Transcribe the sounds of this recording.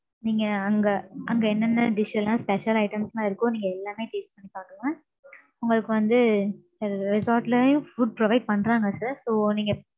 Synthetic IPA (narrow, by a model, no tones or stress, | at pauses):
niːŋɡɐɐŋɡɐʔɐŋɡɐɛnːɐnːɐɖɪʂlãːspɛʂɐlɐɪʈɐmsnãːɪɾɯkːʊ̃niːŋɡɐɛlːaːmeːʈeːspɐɳːipaːʈɯmɐ̃ | ʊŋɡɐɭɯkːɯʋɐnd̪ɯsɾɾɪsaːɾʈlɐjʊ̃fuɖ̚pɾɔʋɐɪɖ̚pɐɳːɾãːŋɡɐsɐɾsoːniːŋɡɐ